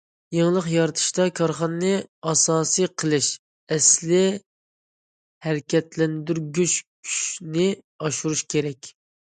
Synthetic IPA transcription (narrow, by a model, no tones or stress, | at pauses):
jeŋlˠəqjɑɾɨt̪ʰɨ̥ʃt̪ɑkʰɑɾχɑnɨnɨɑsɑːsɨjqʰəlˠɨʃ | ɛslɪ | hæɾkʲʰɛt̪lɛnd̪yɾɡʲyt͡ʃkʲʰy̥ʃnɪ | ɑʃuɾuʃkʲʰeɾɛkʲ